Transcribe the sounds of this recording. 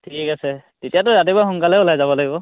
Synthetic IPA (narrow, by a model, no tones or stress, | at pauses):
tʰikikasɛz̥itijatʊɹat̬ibaxɔŋkalɛʊlajzabɔlaɡibɔ